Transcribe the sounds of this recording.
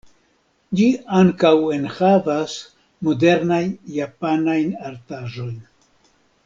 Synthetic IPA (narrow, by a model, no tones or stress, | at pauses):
d͡ʒiaŋkawe̞nhavas | mo̞de̞ɾnajːapanajnaɾtaʒo̞jn